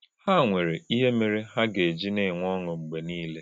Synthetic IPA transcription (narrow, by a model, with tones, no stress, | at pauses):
ha˦˨ŋʷe˨ɾe˨i˦ɦe˦me˨ɾe˦ɦa˦ɡe˨d͡ʒi˦ne˦˨ŋʷɔ˦ŋʊ˨ŋ͡m̩˨ɡ͡be˨niː˦le˦